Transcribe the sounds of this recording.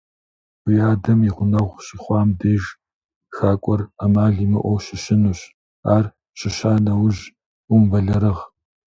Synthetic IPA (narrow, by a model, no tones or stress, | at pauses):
ʊjaːdɐmiʁʷʊnɐʁʷɕiːχʷɑːmdeːʒ | xaːkʷʼɔramaːɮiːmɨ̰ʔʷɔwʃɪɕɪnuːɕ | aːr | ɕɪɕaːnɐwʒ | ʊmvɐɮɐɾɨʁ